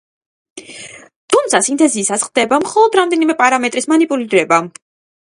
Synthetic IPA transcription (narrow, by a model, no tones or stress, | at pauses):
t̪ʰumt̪sʰasint̪ʰʼɛziːsasχd̪ɛbamχɔlˠɔd̪ɾamd̪ɛnimɛpʼaɾamɛt̪ʼɾismanipʼuliɾɛba